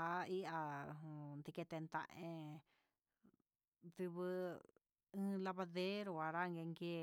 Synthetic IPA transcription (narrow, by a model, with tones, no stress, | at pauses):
a˧˦i˦ʔa˧˨ | nd̪i˧ke˧t̪e˧nt̪ã̰˧ʔẽ˧ | t̪i˧βɨ˧ | ɨ̃ː˦la˧βa˧ðe˦ɾo˧a˧ɾa˦ŋɡe˧ŋɡe˦˧